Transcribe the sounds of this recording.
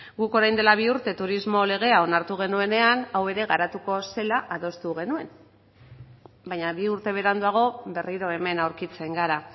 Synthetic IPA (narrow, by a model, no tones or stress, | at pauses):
ɡuko̞ɾajnd̪e̞laβ̞iuɾt̪e̞t̪uɾizmo̞le̞ɣ̞e̞ao̞naɾt̪uɣe̞nue̞ne̞anawe̞ɾe̞ɣaɾat̪uko̞se̞laʔaðo̞st̪uɣ̞e̞nue̞n | baɲaβiuɾt̪e̞β̞e̞ɾand̪uaɣ̞o̞βe̞riɾo̞e̞me̞nawɾkit͡se̞ŋɡaɾa